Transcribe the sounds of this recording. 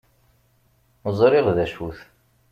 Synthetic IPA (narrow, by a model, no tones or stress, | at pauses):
zˤɾɪʁðæʃuθ